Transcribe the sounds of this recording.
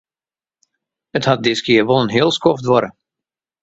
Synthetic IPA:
əthɑt̚dɪskɪərʋolˠənɦɪːlˠskɔftʋɔɾə

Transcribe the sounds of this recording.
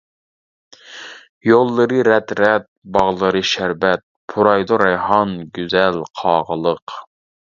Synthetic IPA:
jolˠːɨɾɨɾɛt̪ɾɛt̪̚bɑʁlˠɨɾɨʃæɾvɛt̪̚pʰuɾɑjd̪oɾɛjhɑnɡʲyzɛlqʰɑːʁəlˠəq

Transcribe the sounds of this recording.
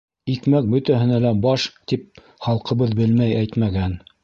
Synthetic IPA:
ikmæk̚bɵ̆t̪æɦɘ̆nælæbɑʃt̪ip̚ | χɑlˠqɤ̆βɤðbɘlmæjæjt̪mæɡæn

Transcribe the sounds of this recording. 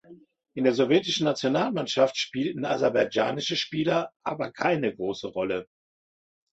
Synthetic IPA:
ʔɪndeːɐzɔvjɛːtɪʃn̩nat͡sjonaːlmanʃaftʃpiːltn̩a̰zaɐbaɪja̰ːnɪʃəʃpiːlɐʔaːbɐkʰaɪnəɡʁoːsəʁɔlə

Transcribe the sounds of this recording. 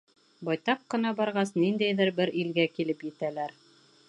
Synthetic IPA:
bɑjt̪ɑq̚qːɤ̆nɑbɑɾʁɑsnind̪æjðɘɾbɘɾilɡækilɘpjɘ̆t̪ælæɾ

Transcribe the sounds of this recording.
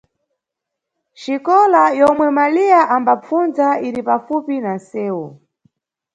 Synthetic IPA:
ʃikɔlajɔmwɛmaliaʔambap͡funzaiɾipafupinasɛːu

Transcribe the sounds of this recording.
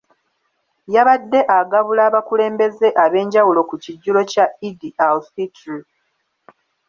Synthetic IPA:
jaβadːe̞ʔaɡaβulaːβakule̞ːmbe̞ze̞ʔaβe̞ːɲɟawulo̞kuciɟːulo̞caidiawsiti

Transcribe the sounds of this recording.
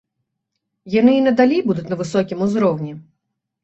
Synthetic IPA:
janɨinɐd̪alʲijbud̪ʊtʲnɐvɨsɔkʲimuzɾɔwnʲi

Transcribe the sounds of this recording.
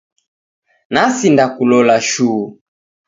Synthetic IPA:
nasindakulɔlaʃuː

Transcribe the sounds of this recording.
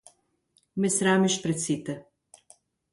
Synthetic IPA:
mɛsɾaːmiʃpɾɛt̪sit̪ɛ

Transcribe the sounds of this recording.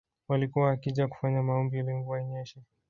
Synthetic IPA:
walikuwaːkiʄaku̥faɲamaɔmbialiŋɡuwaɲɛʃɛ

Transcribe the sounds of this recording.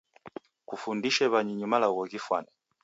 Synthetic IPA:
kufundiʃɛβaɲiɲumalaɣɔɣifwanɛ

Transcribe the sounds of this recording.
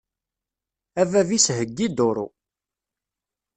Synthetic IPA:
ævævisɦəɡːid̪oɾˤṵ

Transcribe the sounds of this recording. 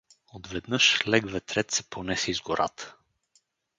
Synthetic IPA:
od̪vɛd̪nɤʃlɛɡvɛt̪ɾɛt̪sɛ̥ponɛsɛizɡoɾʔa̰t̪ə̥

